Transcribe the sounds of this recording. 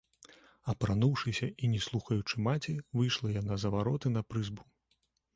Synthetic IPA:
ɐpɾanuwʂɨsʲɐinʲɛslˠuxɐjut͡ʂɨmat͡sʲivɨjʂlˠɐjanazɐvaɾɔt̪ɨnɐpɾɨzbu

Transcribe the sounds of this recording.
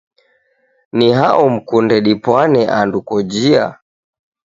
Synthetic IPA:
niɦaʔɔm̩kundɛɗipwanɛʔandukɔd͡ʒia̰

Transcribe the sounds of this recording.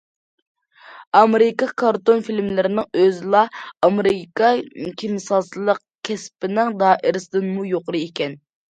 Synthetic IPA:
ɑmeɾɪkɑkʰɑɾt̪onfilmlɪɾɪnɪŋøzɪlˠɑɑmeɾɨkɑkʲʰemsɑslˠəq | kʲʰɛspɪnɪŋd̪ɑːʔɪɾɪsɪd̪ɨnmujoqəɾɨekʲɛn

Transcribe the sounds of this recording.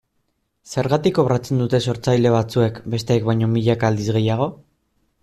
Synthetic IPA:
se̞ɾɣat̪iko̞βɾat͡se̞nd̪ut̪e̞so̞ɾt͡sajle̞β̞at͡sue̞kbe̞st̪e̞ːkβajɲo̞miʎakaːld̪izɣe̞jaɣ̞o̞

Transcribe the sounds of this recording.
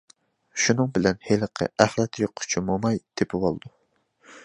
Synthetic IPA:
ʃunɨŋbɪlɛnheləqʰə̰æhlɛt̪joqʰːʊ̥t͡ʃʰimomɑjd̪̥epʰɪbolˠɨd̪̥u

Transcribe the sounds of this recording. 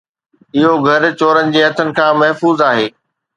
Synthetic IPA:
ɪɦoɡʱɐɾt͡ɕoːɾənɪ̆d͡ʑeːɦɐt̪ʰənɪ̆kʰãːmɐɦfuːzaːɦeː

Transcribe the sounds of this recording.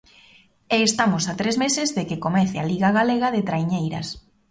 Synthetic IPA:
eːst̪amosat̪ɾezmesɪzðekekomɛθealiɣaɣaleɣɐðet̪ɾajɲejɾɐ̰s

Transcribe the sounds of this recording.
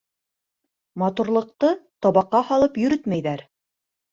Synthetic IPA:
mɑt̪uɾlˠɤ̆q̚t̪ɤt̪ɒβɑqːɑhɑlˠɤpjɵ̆ɾɵt̪mæjðæɾ

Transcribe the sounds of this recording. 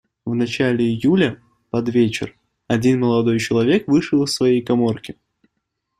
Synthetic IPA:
vnɐt͡ɕælʲɪɪjulʲə | pɐd̪vʲet͡ɕɪ̰r | ɐdʲinməlˠɐd̪o̞jt͡ɕɪlˠɐvʲekvɨʂɨəlˠɨsvɐjejkɐmo̞rkʲɪ

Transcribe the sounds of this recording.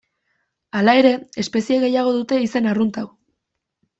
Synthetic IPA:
alae̞ɾe̞espe̞sieɣe̞jaɣ̞o̞ðut̪e̞ise̞narunt̪aw

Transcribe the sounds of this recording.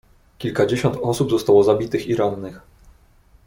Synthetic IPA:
kʲilkad͡ʑeɕɔnt̪ɔsubzɔst̪awɔzabʲit̪ɘxiɾanːɘx

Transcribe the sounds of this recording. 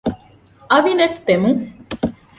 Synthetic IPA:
ɐʋineʈt̪emu

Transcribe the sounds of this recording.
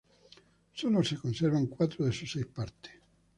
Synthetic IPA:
solosekonsɛɾvaŋkwat̪ːɾod̪esusɛjspaɾt̪e̥

